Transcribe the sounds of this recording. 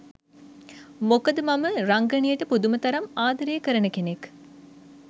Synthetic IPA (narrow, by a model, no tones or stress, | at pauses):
mokɐd̪əmɐməɾaŋɡɐɳijəʈəpud̪umət̪ɐɾɐmaːd̪ɐɾeːkəɾənəkenek